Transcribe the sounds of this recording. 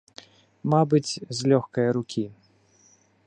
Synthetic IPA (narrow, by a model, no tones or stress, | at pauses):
mabɨt͡sʲzʲlʲɔxkɐjɐɾukʲʰi